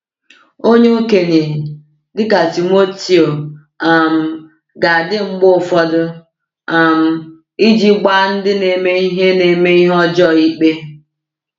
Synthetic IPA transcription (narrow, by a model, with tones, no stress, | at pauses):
o˦ɲe˦u˦ke˨ne˨ | dɪ˦ka˨ti˨mo˦ti˦o˨ | a˨m̩˨ | ɡa˨dɪ˦ŋ͡m̩˦ɡ͡bʊ˦ʊ˦˨fɔ˦dʊ˦ | a˨m̩˨ | i˦d͡ʒi˦ɡ͡ba˦n̩˦dɪ˦ne˨me˦i˦ɦe˦ne˨me˦i˦ɦɔ˦d͡ʒɔ˦˨i˦k͡pe˦